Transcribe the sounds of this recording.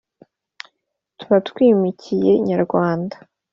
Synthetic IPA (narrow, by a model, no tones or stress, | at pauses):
tuβatkwiːmicije̞ɲaɾɡwaːndḁ